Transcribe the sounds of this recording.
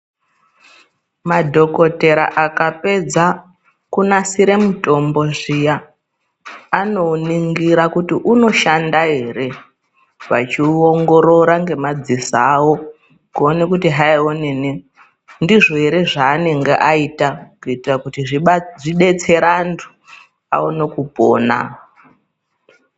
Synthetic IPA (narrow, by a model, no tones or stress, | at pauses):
madʱo̞kote̞ɾa̰ʔakape̞d͡za | kunasiɾe̞muto̞mbo̞ʐija | no̞niŋɡiɾakutiʔuno̞ʃandaɦe̞ɾe̞ | ʋa̰t͡ʃioŋɡo̞ɾo̞ɾaŋɡe̞mad͡zisawo | kuonekutiɦaioneni | ndiʐo̞ɦe̞ɾe̞ʐaːne̞ŋɡeʔaitakuitirakutiʐiʐiɗe̞t͡se̞ɾantʰu̥ | a̰ono̞kupo̰ːna̰